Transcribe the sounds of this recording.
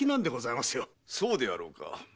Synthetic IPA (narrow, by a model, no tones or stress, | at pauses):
inãnd̪e̞ɡo̞zaimasɨjo | soːd̪e̞a̰ɾo̞̰ːka̰